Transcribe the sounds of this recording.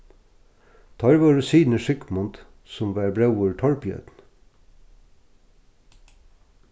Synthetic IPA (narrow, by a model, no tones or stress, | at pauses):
t̪ʰɑːɾʋɑːɾʊsiːnəʃʏkmɔnt̪ | sɔmʋæːɾbɾɑʉuːʈʰɑɭpjœ̰ːt̪n̩